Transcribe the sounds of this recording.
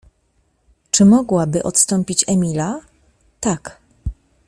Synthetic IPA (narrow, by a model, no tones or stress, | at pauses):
t͡ʂɘmɔɡwabɘʔɔt̪st̪ɔmpʲit͡ɕɛmʲila | t̪ak